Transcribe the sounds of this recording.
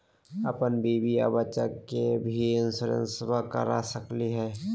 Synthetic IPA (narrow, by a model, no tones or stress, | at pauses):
əpənbiːbija̰bət͡ʃakebʱiɪnsəɾə̰̃nswakə̰ɾa̰səkliɦɛː